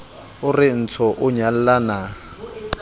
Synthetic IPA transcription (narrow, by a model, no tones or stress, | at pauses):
ʊrɪn̩t͡sʰɔʔʊɲal̩lana